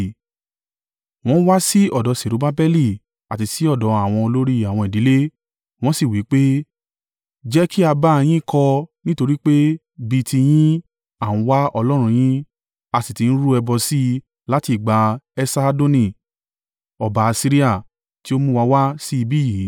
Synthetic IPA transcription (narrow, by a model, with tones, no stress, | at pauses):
w̃ɔ̃˦wa˦si˦ɔ˦˨dɔ˨˧se˨ɾu˨˦ba˦bɛ˦li˨ | a˨ti˨˧si˦ɔ˦˨dɔ˨˦a˦˨w̃ɔ̃˧o˧lo˦ɾi˦˨a˨w̃ɔ̃˧i˨di˨˦le˦ | w̃ɔ̃˦si˦˨wi˨˦k͡pe˦ | d͡ʒɛ˦kʰi˦a˧ba˦˧j̃ĩ˦˨kʰɔ˧nĩ˦to˧ɾi˦k͡pe˦ | bi˧tʰi˧j̃ĩ˦ | a˨ũ˧wa˦ɔ˧lɔ˦ɾ̃ũ˧j̃ĩ˦ | a˧si˨ti˨ñ̩˦ɾu˦ɛ˧bɔ˧si˦ | la˦ti˧˨i˨ɡ͡ba˧ɛ˧sa˦˧do˦nĩ˧˨ | ɔ˨ba˨a˧si˦ɾi˦a˦˨ | ti˦o˦mũ˦wa˧˦wa˦si˦i˧bi˦ji˨˦